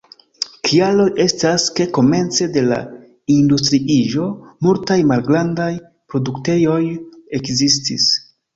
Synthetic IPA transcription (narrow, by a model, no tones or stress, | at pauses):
kʰialo̞je̞staske̞ko̞me̞nt͡se̞de̞la̰ | industɾiiʒo̞multajmalɡɾandaj | pɾo̞dukte̞jo̞je̞kzistḭs